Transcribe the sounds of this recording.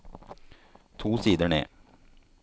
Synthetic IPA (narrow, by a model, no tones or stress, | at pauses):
t̪ʰuːsiːd̪əɳḛː